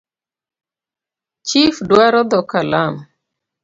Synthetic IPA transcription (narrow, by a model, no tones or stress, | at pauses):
t͡ʃifdwaɾɔd̪ɔkalam